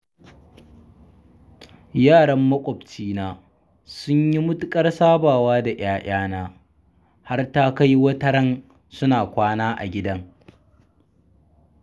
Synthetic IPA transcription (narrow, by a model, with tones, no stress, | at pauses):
jaː˦˨ɽɐ˦mːɐ˦kʷʼɔ˨bt͡ʃiː˦naː˦ | sʊ˦ɲji˦mʊ˦tʊ˦kʼɐ˦rsaː˦baː˨waː˦da˨ʔaː˦ʔaː˦naː˦ | ha˦rta˦ka˦jwɐ˦tɐ˦ɾɐ˦n | sʊ˦naː˨kʷaː˦naː˦ʔa̰˨ɡʲɪ˦dɐ˦ŋ